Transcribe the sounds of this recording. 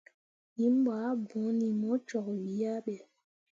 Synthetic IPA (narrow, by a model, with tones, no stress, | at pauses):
ji˨˦m˦ɓaː˨˦bũ˨˦ni˨mɔ˦t͡ʃɔ˨kwi˨˦a˦ɓɛ˨